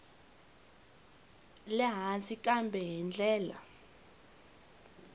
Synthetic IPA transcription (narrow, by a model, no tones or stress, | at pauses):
lɛɦat͡sʰikʼambʱɛɦɛnd͡ɮʱɛːla̰